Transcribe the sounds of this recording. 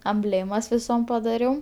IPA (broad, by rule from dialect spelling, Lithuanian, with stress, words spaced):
ɐmʲˈbʲlʲeːmɐs ʋʲɪˈsoːm pɐdɐˈrʲɛʊ